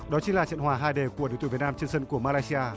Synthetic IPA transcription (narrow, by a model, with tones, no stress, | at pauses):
ɗɔ˨˦t͡ɕi˨˦laː˨˩t͡ɕə̰˧˨nhwaː˨˩ɦaː˧jɗe˨˩ku˧˩əi˨˦t̪u˧˨˩t̚naː˧mt͡ɕɨ˧ŋsə˧nku˧˩əmaː˧laː˧jsi˧aː˧